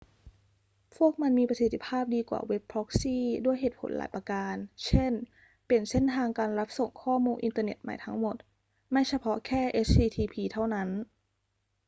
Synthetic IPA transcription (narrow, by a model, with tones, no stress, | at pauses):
pʰu˥˩ək̚ma˧nmiː˧pɾa˧si˨˩t̪ʰːi˧˥pʰaː˥˩p̚diː˧kwa̰ː˨˩we˦˥pʰːɾɔ˦˥k̚siː˥˩du˥˩əjɦeː˨˩t̪̚pʰo̰˩˦nla̰ː˩˦jpa˧kaː˧nt͡ɕʰe˥˩n | pe˨˩nse˥˩nt̪ʰaː˧ŋkaː˧nɾa˦˥p̚so˨˩ŋkʰɔː˥˩muː˧nʔḭ˧nt̪aː˧nḛ˨˩t̪̚ma̰˨˩jt̪ʰa˦˥ŋmo˨˩t̪̚ | ma˥˩jsa˧pʰɔ˦˥kʰɛː˥˩ʔe˦˥stiː˧t̪ʰiː˧pʰiː˧t̪ʰa˥˩wna˦˥n